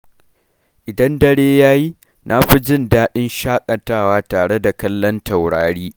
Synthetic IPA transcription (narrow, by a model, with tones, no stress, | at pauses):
ʔɪ˨dɐ˦ndɐ˦˨ɽeː˦jaː˦ji˦ | nʔa˦ɸi˦d͡ʒɪ˦ndaː˦ɗɪ˦nʃaː˦kʼɐ˨taː˦waː˦taː˨ɽe˦da˨kɐ˦lːɐ˦ntɐ˨wɽaː˨ɽiː˦